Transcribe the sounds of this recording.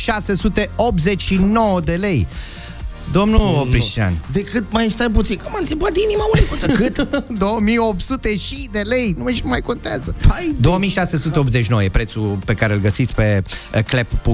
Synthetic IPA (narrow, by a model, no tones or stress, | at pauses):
ʃase̞sut̪e̞op̪̚zet͡ʃʲʃinowəd̪e̞le̞j | d̪o̞mnuopɾiʃt͡ʃia̰nd̪ekɨt̪̚majst̪ap̬ut̪sinkumant̪ipuat̪inimaunikoskɨt̪d̪owəmijo̞p̚t̪sut̪eʃid̪e̞le̞jnumaʃimajko̞nt̪a̰zəpajd̪o̞omijʃase̞sut̪e̞op̪zet͡ʃinowojepɾe̞t̪supe̞kaɾeɨlɡəsit̪sʲpe̞kleppu